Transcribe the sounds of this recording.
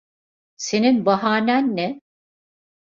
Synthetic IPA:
se̞ninbaɦaːnʲænːɛ

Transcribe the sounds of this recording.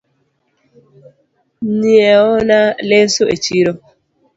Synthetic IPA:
niɛɔnalesoet͡ʃiɾo

